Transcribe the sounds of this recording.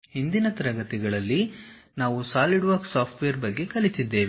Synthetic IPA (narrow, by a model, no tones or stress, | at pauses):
ɦind̪inɐt̪ɐɾɐɡɐt̪iɡɐɭɐlːinaːʋusaːliɖʋɐɾksaːpʰʈʋejɐɾbɐɡːe̞kɐlisid̪ːe̞ːʋi